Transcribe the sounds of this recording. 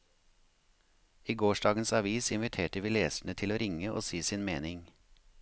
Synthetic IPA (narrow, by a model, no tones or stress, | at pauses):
iːɡoːʃɖɑːɡənsɑʋiːsɪnʋɪt̪ʰeːʈəʋiːleːsɳ̩ət̪ʰɪloːɾɪŋəʔo̰ːsiːsiːnmeːnɪŋ